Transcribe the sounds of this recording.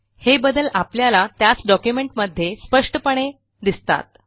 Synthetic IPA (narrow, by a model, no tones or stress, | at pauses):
hebəd̪əlapljalat̪jat͡sɖɔkjumeɳʈməd̪ʱːjespəʂʈəpəɽ̃e | d̪ist̪a̰t̪̚